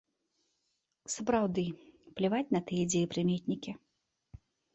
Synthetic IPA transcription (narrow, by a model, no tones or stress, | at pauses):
sɐpɾawd̪ɨplʲivat͡sʲnɐt̪ɨjɛd͡zʲejipɾɨmʲet̪ʲnʲikʲi